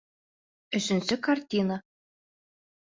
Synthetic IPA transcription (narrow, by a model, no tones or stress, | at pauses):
ɘ̆ʃɘ̆nsɘkartʲinə